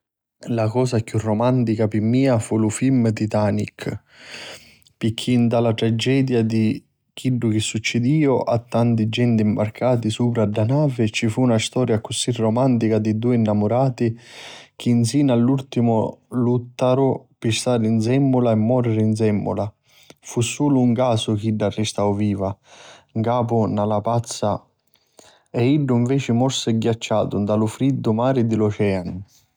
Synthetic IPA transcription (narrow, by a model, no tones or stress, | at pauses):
lakɔːsakjurːomant̪ikapɪmːiːafulufilmt̪it̪aːnikʰ | pikʰːind̪alat̪ɾad͡ʒɛːd̪jad̪i | k̟iɖːʊk̟ɪsːut͡ʃːɪd̪iːʊʔat̪ːant̪id͡ʒːɛnt̪iimbarkʰaːt̪isuːpɾadːanaːvɪt͡ʃifunast̪ɔːɾjakʊsirɔmant̪ikad̪id̪uːinːamʊɾaːt̪ik̟ʰinsiːnalːult̪imʊlut̪ːaɾʊpɪst̪aːɾinsɛmːʊlaɛmːɔːɾɪɾɪinsɛmːʊ̰la | fusːuːlʊːŋkaːsʊkiɖːarːɪst̪awviːvaŋkaːpʊnalapat̪sːa | ɛiɖːʊiɱvɛːt͡ʃɪmɔɾsɪɡːjat͡ʃːaːt̪ʊnd̪alʊfɾid̪ːʊmaːɾɪd̪ɪlɔt͡ʃɛan